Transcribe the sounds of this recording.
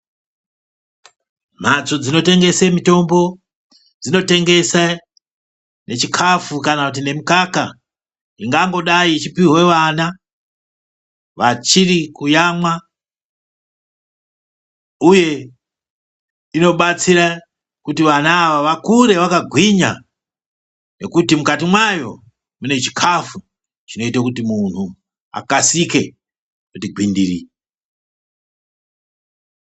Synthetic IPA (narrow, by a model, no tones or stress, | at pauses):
m̤at͡sod͡zino̞te̞ŋɡe̞semito̞mbo̞ | d͡zino̞te̞ŋɡe̞sa | ne̞t͡ʃikʰafukanakut̬ine̞mukaka̰ | iŋɡaŋɡo̞ɗait͡ʃipiwe̞ʋana | ʋat͡ʃirikujamwa | uje̞ | ino̞ɓat͡siɾa | kutiʋanaːʋaʋakuɾe̞ʋakaɡʱwiɲa | ne̞kutimukatimwajo̞ | mune̞t͡ʃi̥kʰafu | t͡ʃino̞itakut̬imun̤u | a̰kasike̞ | kutiɡʱwindiri